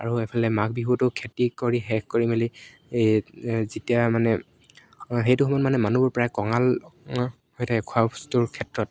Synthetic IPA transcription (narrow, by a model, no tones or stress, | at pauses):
a̰ɹuepʰalɛmakbiɦutʊkʰetikoɹiɦɛkkoɹimeli | zitijamanɛ | ɦejtuxmɔnmanɛmanubɔɹpɔɹajkɔŋal | hojtakʰuastuɹkʰɛtɹɔt̚